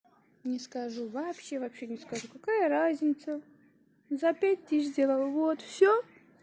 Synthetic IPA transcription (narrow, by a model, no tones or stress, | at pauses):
nʲɪskɐʐuvɐpɕːe̞vɐpɕːenʲɪskɐʐukɐkajəɾazʲnʲɪt̪sə | zɐpʲæt̚ʲt̪ɨʃzʲdʲe̞lˠəlˠvot̪fsʲo